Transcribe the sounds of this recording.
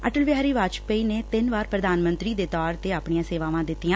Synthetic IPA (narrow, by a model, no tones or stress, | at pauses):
əʈəlʋɪaːɾiːʋaːt͡ʃpəiːneːt̪ɪnʋaːɾpɾəd̪aːnmənt̪ɾiːd̪eːt̪ɔːɾt̪eːaːpɳijãːseːʋãːʋãːd̪ɪt̪ːijãː